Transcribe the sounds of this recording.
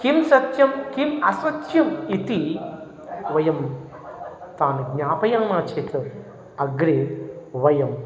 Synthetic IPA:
kimsɐt̪jɐmkimɐsʋɐtjɐmit̪i | ʋɐjɐm | t̪aːnɐɡɲaːpɐjaːŋnaːt͡ʃʰeːt̪ɨ | ɐɡɾiʋɐjɐm

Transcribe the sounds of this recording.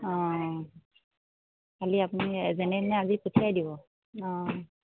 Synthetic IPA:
ɔ̃ | kaliapunizɛnɛnɛaziputʰiajdibɔ | ɔ̃

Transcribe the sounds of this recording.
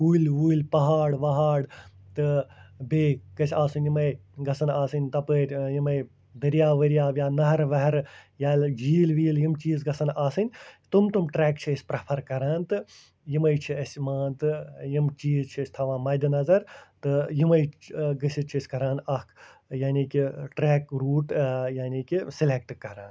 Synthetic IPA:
uːluːilpɐɦaːɽʋɐɦaːɽ | t̪ɨbeːkɐsʰʲaːsunʲjimɐjɡɐsɐnaːsɨnʲt̪ɐpəːɾʲjimɐj | d̪ɐɾijaːʋɐɾjaːʋjaːnɐɦɐɾʋɐɦɾjaːld͡ʒiːlʋiːljimt͡ʃiːzɡɐsɐnaːsɨnʲt̪umt̪umʈɾeːkt͡ʃʰisʲpɾɐpʰɐɾkɐɾaːnt̪ɨ | jimɐjt͡ʃʰiɐsʲmaːnt̪ɨjimt͡ʃiːzt͡ʃʰiɐsʲt̪ʰɐʋãːmɐːjd̪inɐzɐɾt̪ɨjimɐjɡɨsit͡ʃʰɐsʲkɐɾaːnɐkʰjaːnʲiːkiʈɾeːkɾuːʈjaːniːkisilek̚ʈkɐɾaːn

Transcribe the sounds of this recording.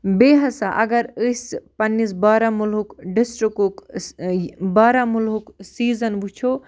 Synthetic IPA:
beːɦɐsaʔɐɡɐɾəspɐnːisbaːɾamulɦukɖisʈɾikuk | baːɾamulɦuksiːzɐnbut͡ʃʰo

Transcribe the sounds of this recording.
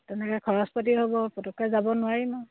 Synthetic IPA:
tɛnɛkɔkʰɔɹɔspɔtiɦobɔpɔtɔkazabɔnʊwaɹinɔ

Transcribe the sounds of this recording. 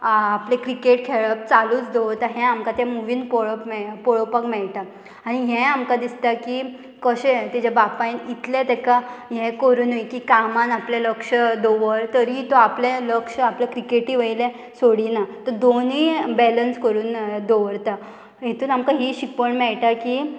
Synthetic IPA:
aplekɾikeʈkʰeɭəp̚t͡saluːt͡sd̪oʋəɾt̪aɦɛ̃amkat̪jamuʋiːnpoɭəpmɛpoɭəpakmɛɭʈ̪a | aɽ̃iɦɛ̃amkad̪ist̪aki | kəɕet̪id͡ʑabapajnit̪lẽt̪ɛkaɦɛ̃kəɾuːnəjkikamãnapleləkʂəd̪oʋəɾt̪əɾit̪ɔapleləkʂəaplekɾikeʈiʋəjlẽ | soɽinat̪əd̪oniːbɛlənskəɾuːnd̪oʋəɾt̪a | ɦet̪uːnamkaɦiɕikəɳmɛɭʈaki

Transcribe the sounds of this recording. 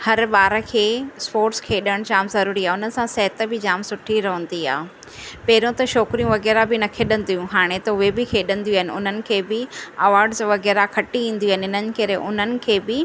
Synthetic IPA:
hɐɾɓaːɾkʰeːspoːɾskʰeːɗəɽ̃d͡ʑaːmzɐɾuːɾiaːʊnən̆sãsɛɦɪt̪̆bɪd͡ʑaːmsʊʈʰiɾɐɦə̃n̆d̪ia̰ː | pɐɦɪɾõt̪ɐʃɔːkɾijũʋɐɣɛːɾabɪnɐkʰeɗə̃nd̪ijũɦaːɽ̃et̪ɐʊɦebɪkʰeːɗɐ̃nd̪ijũaːɦɪnɪ̆ʊ̰n̤ənɪ̆kʰeːbɪɐʋaːɾɖzʋɐɣɛːɾakʰɐʈiʋĩːn̆d̪iaːɦɪnɪɦɪn̤ənɪ̆kɐɾeʔʊn̤ənɪ̆kʰeːbɪ

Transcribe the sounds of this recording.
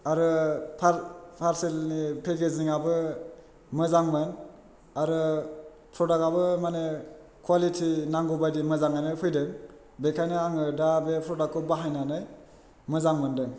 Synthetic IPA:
aɾɯpʰaɾpʰaɾsilnipʰeɡeziŋabɯ | mɯzaŋmɯn | aɾɯ | pʰɾɔdakabɯmane | kʰwalitʰinaŋɡobadimɯzaŋajnɯjpʰɯjdɯŋ | bekʰajnɯaŋɯdabepʰɾɔdakːɔbaɦajnanɯj | mɯzaŋmɯndɯŋ

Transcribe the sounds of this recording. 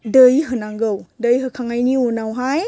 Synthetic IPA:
dəjɦɯnaŋɡɯwdɯjɦɯkʰaŋajniunawɦaj

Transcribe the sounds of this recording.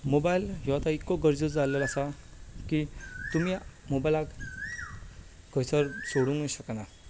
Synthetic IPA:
mobajlɦɔat̪aikːɔɡəɾd͡ʑud͡zalːəlasakit̪umimobajlak | ɡəjsəɾsoɽũŋɡõɕəkana

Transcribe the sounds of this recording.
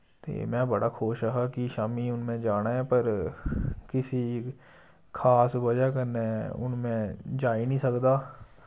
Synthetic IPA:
t̪ḛːmɛ̃ːbəɽaːkʰoːʃəɦaːkiʃaːmiːʊnmẽːd͡ʒaːnaːɦɛ̃ːpəɾ | kɪsi | kʰaːsbəd͡ʒaːkəɾneɛʊ̰nmẽːd͡ʒaːinĩːsəkd̪aː

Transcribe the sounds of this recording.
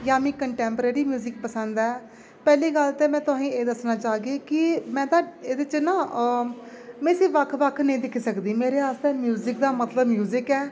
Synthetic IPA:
jaːmĩːkəɳʈɛːmpəɾeːɾiːmjuːzɪk̚pəsənd̪ɛː | pɛːliːɡəlt̪eːmɛ̃ːt̪ʊaĩːeːd̪əsnaːt͡ʃaːɡeːkɪmɛ̃ːt̪aːeːd̪et͡ʃnaː | mɛ̃ːsiːʋəkʰʋəkʰnəĩːd̪ɪkʰiːsəkd̪iːmeːɾeːaːst̪eːmjuːzɪkd̪aːmət̪ləbmjuːzɪkɛː

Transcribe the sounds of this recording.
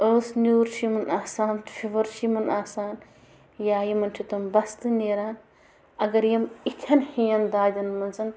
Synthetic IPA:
əːsnʲuːɾt͡ʃʰimɐnaːsaːnt̪fʰiʋɐɾt͡ʃʰimɐnaːsaːn | jaːjimɐntʰit̪ɐmbɐst̪ɨnʲeːɾaːn | ɐɡɐɾjɐmit̪ʲʰɐnhijɐnd̪aːd̪ʲɐnmɐnzɐn

